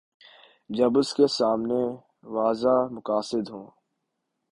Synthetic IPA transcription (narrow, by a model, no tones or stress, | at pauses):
d͡ʒɐbʊskesaːmne | ʋaːzamʊkaːsɪd̪ɦõː